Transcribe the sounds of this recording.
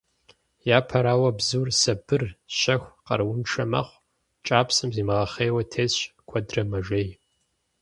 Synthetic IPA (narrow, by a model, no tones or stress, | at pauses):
jaːpʰɐɾaːwɐbzuːrsɐbɨrɕɐxʷqɐ̰rwʊnʈ͡ʂʰɐmɐ̰χʷ | t͡ʃʼaːpsɨmziːmɨʁɐχeːwɐtʰeːzɕkʷʰɐdrɐmɐʒʷej